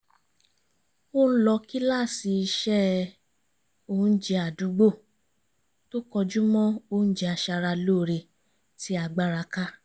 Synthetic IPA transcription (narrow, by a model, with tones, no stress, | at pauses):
o˦n̩˦lɔ˧ki˦la˦˨si˧i˧ʃɛ˦ | o˦˧n̩˦d͡ʒɛ˧a˨du˨˦ɡ͡bo˦˨ | to˦kɔ˧d͡ʒu˦mɔ̃˦o˦˨n̩˦d͡ʒɛ˧a˧ʃa˧ɾa˧loː˦˨ɾe˧ | ti˧˦a˧ɡ͡ba˧ɾa˧ka˦